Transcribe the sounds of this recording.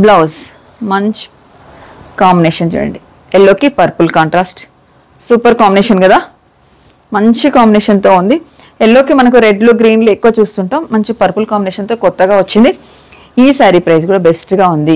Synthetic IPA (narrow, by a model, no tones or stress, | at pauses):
blɐws | mɐɲt͡ʃi̥ | kaːmbineːʂɐnt͡ʃṵːɽɐ̰ɳɖi | elːoːkipɐɾpulkaːɳʈɾaːsʈ | suːpɐɾkaːmbineːʂɐnkɐd̪aː | mɐɲt͡ʃikaːmbineːʂɐnt̪o̞ːund̪i | elːo̞ːkimɐnɐkuɾe̞ɖluɡɾiːnloːekːʋɐt͡ʃuːst̪uɳʈaːmːɐɲt͡ʃipɐɾpulkaːmbineːʃɐnt̪o̞ːkɔt̪ːɐɡaːʋɐt͡ʃːind̪i | iːsaɾipɾɐjzkuːɽaːbesʈɡaːund̪i